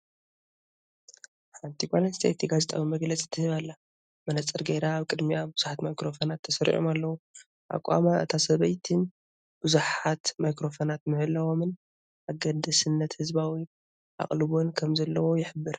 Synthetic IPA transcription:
ħant̪ʰiɡʷalɐnst̪ʰet̪ʰiɡazet̪ʼawimɐɡlɐt͡sʼi̥t̪ʰːɨhɨβalːa | mɐnɐt͡sʼɐɾɡeɾaːβkʼɨd̪miabɨz̥uħat̪majkɾo̞fonat̪ʰːɐsɐɾḭʔo̰malːɐwu | ʔa̰kʼa̰maʔɨ̰t̪ʰasɐβɐjt̪ʰɨn | b̥ɨzuħat̪majkɾo̞fonat̪mɨhɨlːɐwo̞mɨn | ʔaɡɐd̪ɐsɨnːɐt̪hɨzbawi | ʔa̰χʼlɨβo̞nkʰɐmzɐlːɐwo̞jɪħɨbːɨɾ

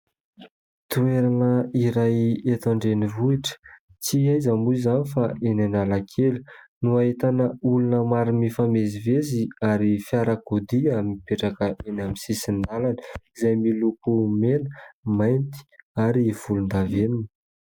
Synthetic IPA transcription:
t̪ueɾanəiɾajet̪aɳɖ͡ʐenivuiʈ͡ʂə̥ | t͡siajzamuizanifaʔenanalakʰelu̥nuaet̪anəulunəmaɾimifameziveziaɾifiaɾakod̪iamipeʈ͡ʂakəʔenamisisinalani̥izajmilupumenəmajnt̪i̥aɾiv̥ulund̪aveninə̥

